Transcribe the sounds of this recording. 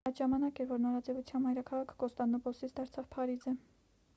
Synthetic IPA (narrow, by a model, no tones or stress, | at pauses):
ɑjd̪ʒɑmɑnɑkɛɾvɔɾnɔɾɑd͡zɛvut͡sʰjɑnmɑjɾɑkʰɑʁɑkʰɡɔst̪ɑnɔpɔsit͡sʰd̪ɑɾt͡sʰɑvpʰɑɾizə